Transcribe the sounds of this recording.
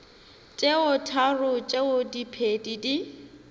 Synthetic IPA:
t͡ʃʼeʊtʰarʊt͡ʃʼeʊdipʰedidi

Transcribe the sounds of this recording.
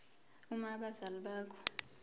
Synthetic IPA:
umaɓazalɓaːkʰɔ̥

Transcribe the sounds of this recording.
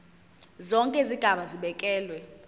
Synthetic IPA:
zɔŋkʼeiziɡ̥ʱaɓaziɓɛkʼɛːlwɛ

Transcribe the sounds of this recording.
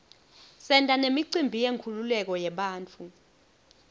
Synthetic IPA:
sɛntʼanemiǀimbʱijeŋkʰululɛk̬ɔjɛɓaːnt͡fʰu

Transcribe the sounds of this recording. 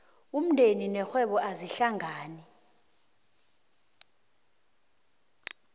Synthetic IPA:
um̩ndʱeninɛxwɛɓɔʔaziɬaŋaːni

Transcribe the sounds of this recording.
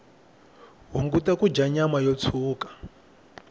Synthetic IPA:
ɦuŋɡutakud͡ʒaɲamajɔt͡sʰuːkḁ

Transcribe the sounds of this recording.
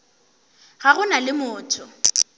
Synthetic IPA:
ɣaɣʊnalɪmʊːtʰʊ

